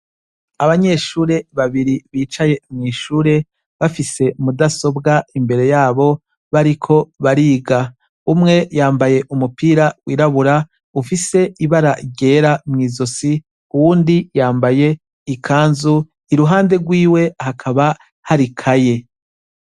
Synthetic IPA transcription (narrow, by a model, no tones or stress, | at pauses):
aβaɲe̞ʃuːɾe̞βaβiɾiβiːt͡ʃaje̞mŋiːʃuːɾe̞ | βafise̞mudaso̞bɡaimbe̞ɾe̞jaːβo̞ | βaɾikʰo̞βaɾiːɡa | umŋe̞jaːmbaje̞ʔumupiːɾawiːɾaβuɾa | ufise̞iβaɾaɟe̞ːɾamŋiːzosi | uwuːndijaːmbaje̞ | ikʰaːnzu | iɾuɦaːnde̞ɡwiːwe̞hakʰaβa | haɾikʰaje̞